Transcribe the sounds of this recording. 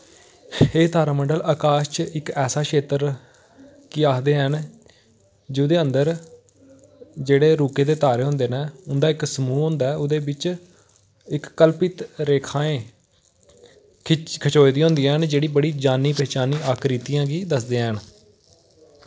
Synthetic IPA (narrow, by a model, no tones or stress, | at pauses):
eːt̪aːɾaːməɳɖəlaːkaːʃt͡ʃɪkɛːsaːʃʰeːt̪əɾ | kiaːkd̪eːɦən | d͡ʒeːʊd̪eːənd̪əɾ | d͡ʒeːɽeːɾuːkeːd̪eːt̪aːɾeːɦõːnd̪eːnaːʊnd̪aːɪksəmuːɦʊ̃ːnd̪aɛːʊd̪eːbɪt͡ʃ | ɪkːəlpɪt̪ɾeːkʰãːẽː | kʰət͡ʃoːid̪iːɦʊ̃nd̪ijãːɦənd͡ʒeːɽiːbəɽiːd͡ʒaːniːpɛːt͡ʃaːniːaːkɾiːt̪ijãːɡiːd̪əsd̪eːɦən